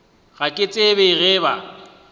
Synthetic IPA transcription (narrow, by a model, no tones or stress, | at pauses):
ɣ̥akʼɪt͡sʼebeɣɛːβa̰